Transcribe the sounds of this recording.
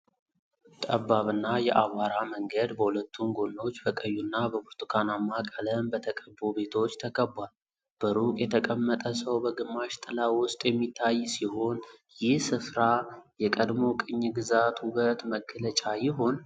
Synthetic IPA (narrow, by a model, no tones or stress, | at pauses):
t̪ʼəbːaβɨnːajɛʔawaɾaməŋɡəd̪bəhulət̪ʰːunɡo̞nːo̞t͡ʃːbəkʼəjːunːabəbuɾt̪ʰʼukʰanamːakʼələmbət̪ʰəkʼəbːobe̞t̪ʰo̞t͡ʃːt̪ʰəkʼəbːal | b̥əɾukʼjɛt̪ʰəkʼəmːət̪ʼəsəwbəɡɨmːaʃt̪ʼɨlawʊst̪ʼjɛmːit̪ʰːajsiho̞njɪhsɨfɾajɛkʼəd̪mo̞kʼɨɲːɡɨzat̪huβət̪məkʰːələt͡ʃʼajɪɦo̞n